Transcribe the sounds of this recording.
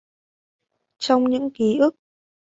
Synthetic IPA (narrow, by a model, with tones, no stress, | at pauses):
t͡ɕɔ˧wŋ͡mɲɨ̰˧˥ŋki˨˦ʔɨ˦˥ək̚